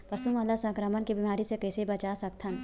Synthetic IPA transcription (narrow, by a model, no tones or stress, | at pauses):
pɐsuməlːasɐ̃kɾəmənkibiːmaːɾisekɐːsebɐt͡ʃaːsɐk̚t̪ʰɐn